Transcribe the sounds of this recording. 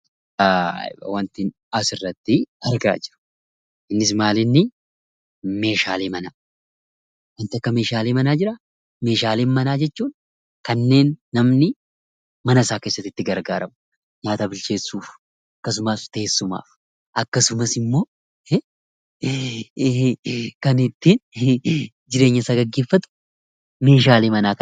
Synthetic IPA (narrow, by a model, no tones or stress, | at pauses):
aːɪ̰bɐ̰wɐnt̪ɪn | ɐsɪrːɐt̪ːɪɐɾɡa̰ːd͡ʒɪ̥ɾʊ̥ | ɪnːɪsmaːlɪnːɪ | me̞ːʃaːleːmɐnaː | wɐnt̪ɪɐkːɐme̞ːʃaːleːmɐnaːd͡ʒɪɾɐ | me̞ːʃaːleːnmɐnaːd͡ʒɛt͡ʃːuːn | kɐnːe̞ːnːɐmnɪ | mɐnɐsaːke̞ːsːɐt̪ːɪt̪ːɪɡɐɾɡaːɾɐm | ɲaːt̪ɐbɪlt͡ʃe̞ːsːuːf | ɐkːɐs̬ʊmast̪eesːʊma̰ːf | ʔɐkːɐsʊmɐsɪmːo̞ː | kɐnɪt̪ːɪn | d͡ʒɪɾe̞ːɲːɐsaːɡɐɡːe̞ːfːɐt̪ʊ̥ | me̞ːʃaːleːmɐnaːk